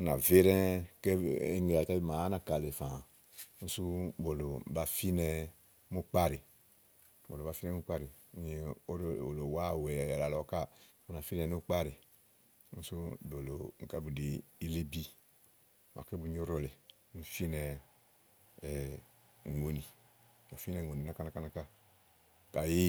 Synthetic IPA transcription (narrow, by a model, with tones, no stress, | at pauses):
u˦na˨ve˦ɾɛ̃˦ke˦ne˨a˨ta˦bi˦˨ma˨˦na˨ka˨le˨fã˨˦ | n̩u˦su˦bo˨lo˨ba˨fi˦nɛ˧ | mu˦k͡pa˦ɾi˨ | bo˨lo˨ba˨fi˦nɛ˦mu˦k͡pa˦ɾi˨˦ɲi˨o˦ɾo̰˨lo˨wa˦˨wɛ˨la˨lɔ˨ka˦ | u˦na˨fi˦nɛ˨nu˦k͡pa˦ɾi˨˦ | n̩˦su˦˨bo˨lo˨ŋ̩˨ka˦bu˨de˨i˦le˦bi˦˨ | mʔa̰˨ke˦bu˦ɲ˦o˦ɾo˨le˨˦ | nu˦fi˦nɛ˨ | ŋo˨ni˨ | ba˨fi˦nɛ˨o˨ni˨na˦ka˦na˦ka˦na˦ka˦ | ka˨ji˦